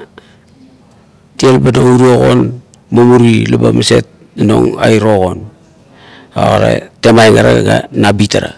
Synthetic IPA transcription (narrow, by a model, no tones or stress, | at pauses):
tielbanouɾio̞ɣo̞̰n | mamuɾilabamase̞t̚ | ano̞ŋajɾo̞ɣo̞n | o̰ɣaɾa̰te̞majŋaɾaɡa̰nabitaɾa